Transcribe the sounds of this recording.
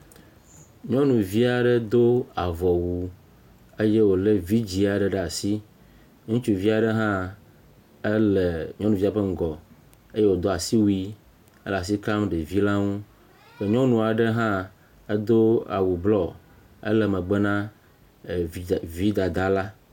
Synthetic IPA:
ɲɔ̃˦nũ˨vi˦a˨ɖə˦d̪o˦a˨vɔ˨wu˨ | e˦je˦wo˨le˦vi˦d͡ʑi˨a˨ɖɛ˨ɖa˨si˦ | ŋũ˦t͡ʃu˦vi˦a˨ɖə˦ɦã˦ | ə˦le˨ɲɔ̃˦nũ˨vi˦a˨ɸə˦ŋ̩˨ɡɔ˨ | e˦je˦wo˨d̪o˦a˨si˦wu˦i˦ | e˦la˨s̬i˦ka˦mɖe˨vi˦la˦ŋũ˦ | be˨ɲɔ̃˦nũ˨a˨ɖə˦ɦã˦ | e˦d̪o˦a̰˨wu˨blɔ˨ | ə̰˦lɛ˨mẽ˨ɡ͡be˦nã˦˨ | vi˦d̪a˨d̪a˦la˦

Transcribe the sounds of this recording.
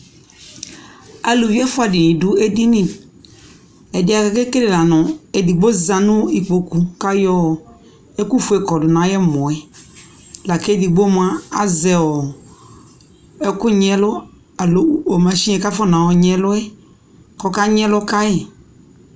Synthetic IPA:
a˨lu˨vi˦ɛ˦fʊ˦a˨dɪ˨nɪ̃˨dʊ˨˦ɛ˦di˦nĩ˦˨ | ɛ˨dɪ˨˦a˨ka˨kɛ˦te˦ɾe˨la˨nɔ˨ɛ˨di˨ɡ͡bo˦za˨nʊ˦i˨k͡po˨ku˨ka˦jɔ˦˨ | ɛ˦ku˦fʊ˨˦ɛ˨kɔ˨dʊ˨nã˨jɛ˦mɔ̃˨ɛ˨ | la˨ke˦di˨ɡ͡bo˦m˦a˦a̰˦zɛ˨ɔ˨ | ɛ˦kʊ˦ɲɛ˦lʊ˦ | a˨lo˦o˨ma˨ʃi˦ɛ˨ka˦fɔ˦nã˨wɔ˨ɲɛ˦lʊ˦ɛ˦ | kɔ˨ka˦ɲɛ˦lʊ˦ka˦jɛ˨

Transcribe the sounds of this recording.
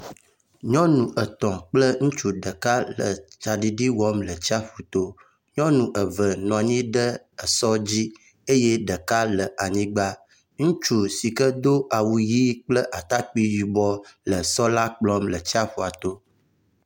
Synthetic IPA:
ɲɔ̃˦nũ˨ʔə˨t̪ɔ̃˨k͡plə˦ŋũ˦t͡ʃu˦ɖə˨ka˦lə̰˨t͡ʃa˨ɖi˨ɖi˦wɔ˦mlə˨t͡ɕi˦a˦ɸu˨t̪o˦ | ɲɔ̃˦nũ˨ʔə˨və˨nɔ̃˨a˨ɲĩ˦ɖə˦ | ə˨sɔ˦d͡ʑi˦ | e˦jɛ˦ɖə˨ka˦lə˨ʔa˨ɲĩ˦ɡ͡ba˦ | ŋũ˦t͡ʃu˦si˨kə˦d̪o˦ʔa˨wu˨ji˦k͡plə˦ʔa˨t̪a˦k͡pi˦ji˨bɔ˦lə˨sɔ˦la˦k͡plɔ˦mlə˨t͡ɕi˦a˦ɸu˨a˨t̪o˦

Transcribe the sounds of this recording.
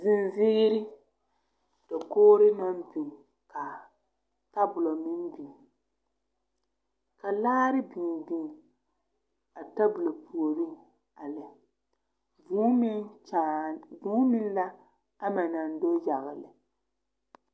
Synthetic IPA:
zɪ˨nzɪ˦ɡi˦ɾɪ˦ | d̥ɛ˨koː˦ɾɪ˦nɔ˦nbu˨ | ka˨ | ta˦bʊ˨lɔ˨mi˦nbi˨ | ka˨laː˦ɾɪ˦bi˨bi˦˨ | a˨ta˦bʊ˨lo˨pʰu˨o˨ɾu˦ | a˨lɪ˨ | vu˦a˦˨vuː˦mɪ˦n˦la˦ | a˦ma˨na˨n˨do˦ja˨ɣɪ˨lɪ˨

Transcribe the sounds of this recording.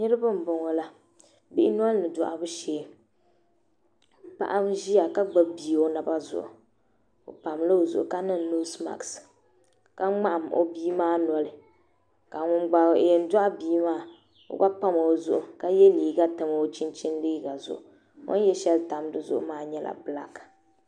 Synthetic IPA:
nɨ˦ɾɨ˦bɨ˦m̩˨bʊ˨ŋɔ˨la˦ | bi˦ʔɪ˦nɔ˦lnɨ˨dɔ˨ʔa̰˨bʊ˦ʃeː˨˦˨ | pa̰˨ʔa˦mʒi˦a˨ka˦ɡ͡ba˦bi˨o˦na˨ba˦zʊ̰˨ʔʊ̰˨ | o̰˨pa˨mlɨ˦o˨zʊ̰˨ʔʊ̰˨ka˦nɨ˦nno˦sma̰˨ks | ka˦ŋ͡ma˦ʔa˨mo̰˦biː˦maː˦nɔ˨lɨ˨ | ka˨ŋʊ˦ɡ͡ba˨jɛ˨n˦da˦ʔbiː˦maː˦ | o̰˨ɡa˦pa˦ma˨o˨zʊ̰˨ʔʊ˨ka˦jɛ˦liː˨ɡa˦tɨ˨m˨o˦t͡ʃi˦nt͡ʃi˦nliː˦ɡa˨zʊ̰˨ʔʊ˨ | ŋo̰˦n˦jɛ˦ʃɛ˦lta˨m˦dɨ˦zʊ̰˦ʔʊ̰˦maː˦ɲɛ˦lʔa̰˨bɨ˨la̰˦ka˨

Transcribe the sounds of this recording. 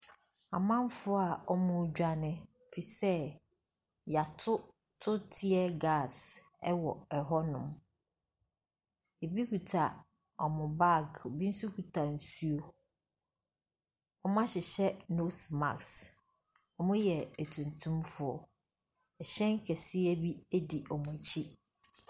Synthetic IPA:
a˨mã˦m˦fʊ˦a˨ɔ˦mʊ̃˦d͡ʑᶣa˦nɪ̃˦˨ | fi˨sɛ˦ | ja˨tʰʊ˦ | tʰʊ˦tʰɪ˦ɛ˦ɡa˦˨sɛ˦wɔ˨ɛ˨ɦɔ˦nʊ̰̃˨m | jɛ˨bi˦kʰu˨tʰa˨ | ɔ˨mʊ̃˨ba˦˨ɡɔ˨bi˦n̩˦su˦kʰu˨tʰa˨n̩˨su˦o˦ | ɔ˦mã˦ɕɪ˨ɕɛ˦no˦sma̰˨ks | ɔ˨mʊ̃˦jɛ˨æ˨tʰũ˨ntʰũ˦mfʊ˨ɔ˨ | ɛ˨ɕɛ̃˦ŋ˦kʰɛ˨sɪ˦ɛ˦bi˦æ˦di˨ʔɔ˨mʊ̃˨t͡ɕʰi˦

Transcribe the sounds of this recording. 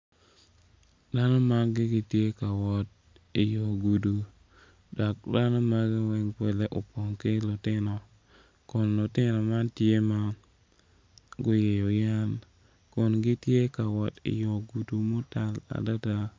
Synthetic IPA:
da˦nɔ˦ma˦nɡɪ˦ɡɪ˦tje˦ka˨wɔ˨t̚ | ɪ˨jɔ˨ɡu˨du˨ | dɔ˨k̚da˦nɔ˦ma˦ɡɪ˦wɛ˦ŋpwɛ˦le˦ʔo˨pɔ˨ŋkɪ˦lʊ˨tɪ˦nɔ˨ | kɔ˨nlʊ˨tɪ˦nɔ˨ma˦ntje˦ma˦ | ɡʊ˦je˨jo˨ja˦n | kɔ˨nɡɪ˦tje˦ka˨wɔ˨tɪ̰˨jɔ˨ɡu˨du˨mo˦ta˨la̰˨da˦da˦

